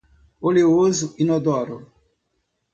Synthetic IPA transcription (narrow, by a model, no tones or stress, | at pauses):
oleozuinɔd̪ɔɾo